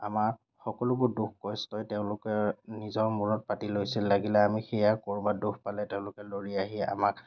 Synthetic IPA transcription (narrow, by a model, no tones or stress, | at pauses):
a̰maɹ | xɔkɔlʊbʊɹduxkɔjstɔjtɛʊ̃lʊkɛnizɔɹmuɹɔt̚patilojsilːaɡilɛamixɛjakoɹbaduxpalɛtɛʊ̃lʊkɛloɹiaɦia̰mak